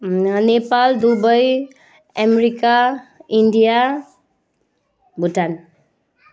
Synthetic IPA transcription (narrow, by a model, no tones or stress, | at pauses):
nepald̪ubʌj | ameɾikaiɳɖija | bʱuʈan